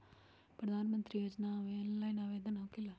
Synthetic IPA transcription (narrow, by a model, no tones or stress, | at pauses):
pɾəd̪ʱaːnmə̃nt̪ɾijoːd͡ʒnaʋeːnlaːjnaːʋeːd̪ənakila